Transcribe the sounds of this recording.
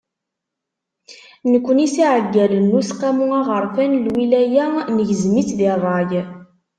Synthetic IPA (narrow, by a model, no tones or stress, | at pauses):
nəkʷːənisiʕəɡːælənːusqæmuæʁəɾˤfænlwilæjænəʝəzmiθðirˤːɑʝ